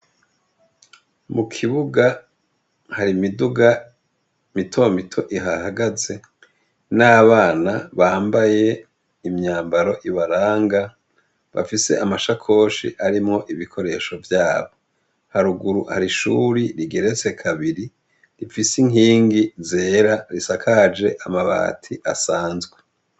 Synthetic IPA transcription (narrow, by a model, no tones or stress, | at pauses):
mukʰiβuɡa | haɾimiduɡa | mitʰo̞mitʰo̞ʔiɦahaɡaze̞ | naːβaːnaβaːmbaje̞ | imɲaːmbaɾo̞ʔiβaɾaːŋɡa | βa̰fise̞̰ʔamaʃakʰo̞ːʃḭʔaɾimŋo̞ʔiβikʰo̞ɾe̞ʃo̞vjaːβo̞ | haɾuɡuɾuha̰ɾiʃṵɾiɾiɡe̞ɾet͡se̞kʰaβiɾi | ɾifisiŋiːŋɡizeːɾaɾisakʰad͡ʒe̞ʔamaβa̰ːtʰiʔasaːnzɡwe